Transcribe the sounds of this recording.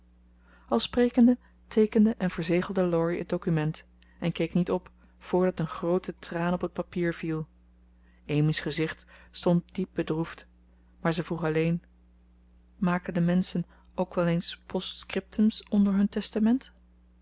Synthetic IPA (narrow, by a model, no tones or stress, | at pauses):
ɑlˠsprejkəndə | tʰejkəndəʔɛnvəɹzejχəlˠdəlɔɹiə̰d̚dowkymɛnt | ɛnkejknitɔp | fʊːɹdɑtənχrowtətraːnɔpət̚papiːɹv̥ilˠ | ejmisχəzɪχtstɔnt̚d̥ip̚bədruft | maːɹzəvruχɑlejn | maːkəndəmɛnsən | owkʋɛlejnspʰɔstskrɪp̚tʰəmsɔndəɹɦɵntɛstamɛnt